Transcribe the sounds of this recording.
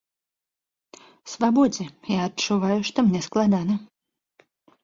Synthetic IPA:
svabɔd͡zʲɛjaɐt͡ʂːuvajʊʂt̪ɔmnʲɛsklˠad̪anɐ

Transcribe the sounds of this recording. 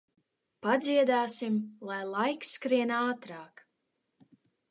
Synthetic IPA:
pad̪ziɛd̪aːsimlˠajlˠajkskɾiɛnaːt̪ɾaːk

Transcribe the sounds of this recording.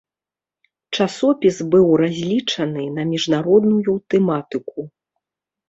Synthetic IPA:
t͡ʂasɔpʲizbɨwɾazʲlʲit͡ʂɐnɨnɐmʲiʐnaɾɔd̪nujut̪ɛmat̪ɨku

